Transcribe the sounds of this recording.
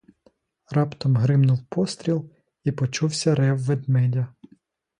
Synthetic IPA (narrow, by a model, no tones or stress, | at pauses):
rɑpt̪ɔmɦɾɪmnʊwpɔst̪ɾʲilˠ | ipɔt͡ʃuwsʲɐɾɛwːed̪mɛdʲɐ